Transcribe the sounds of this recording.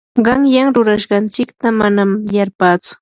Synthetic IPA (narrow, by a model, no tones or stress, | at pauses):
ɢɑŋjaŋɾʊɾaʃɢɑnt͡ʃɪkt̪amanamjaɾpaːt͡sʊ̥